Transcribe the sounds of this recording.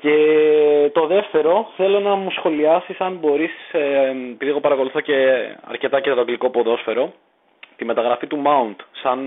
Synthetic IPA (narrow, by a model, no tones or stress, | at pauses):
ce̞t̪o̞ðe̞ft̪e̞ɾo̞θe̞lo̞nɐmusxo̞liɐsisɐnbo̞ɾis | epiðiɣo̞pɐɾɐko̞luθo̞ce̞ɐ̰ɾce̞t̪ɐcesɐt̪oɡliko̞po̞ðo̞sfe̞ɾo̞ | t̪ime̞t̪ɐɣɾɐfit̪umɐunt̪sɐn